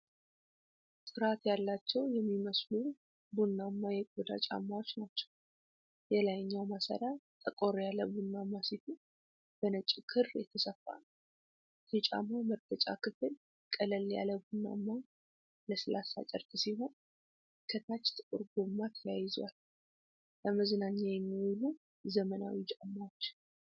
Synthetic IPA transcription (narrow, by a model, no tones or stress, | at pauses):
sʼɨɾat̪jalːat͡ʃːɛwjɛmːiməslu | bunːamːajɛkʼud̪a̰t͡ʃʼa̰mːawo̞t͡ʃːnat͡ʃːɛ̥w | jɛlajɲːawmasa̰ɾat̪ʼəkʼoɾjaləbunːamːasit̪ʰu | b̥ənət͡ʃʼːɪkʰɨrjɛt̪ʰəsəfːa̰n | jɛt͡ʃʼa̰mːaməɾt̪ʰət͡ʃʼa̰kʰɨfɨl | kʼələlja̰ləβunːa̰mːa | ləsɨlasa̰t͡ʃʼəɾt̪ʰʼɨsiɦo̞n | kʰət̪ʰat͡ʃːt̪ʼəkʼɨɾɡomːat̪ʰəjajɪzwa̰l | ləməznaɲːajɛmːiwʊlu | zəməna̰wit͡ʃʼamːawot͡ʃː